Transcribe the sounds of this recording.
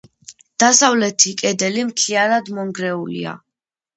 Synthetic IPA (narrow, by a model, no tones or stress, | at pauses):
d̪̥asavlɛt̪ʰikʼɛd̪ɛlimt̪ʰiaɾad̪mɔŋɡɾɛulḭa̰